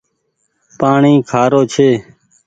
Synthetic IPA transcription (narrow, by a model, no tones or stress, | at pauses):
paːɳiːkʰaːɾoːt͡ʃʰeː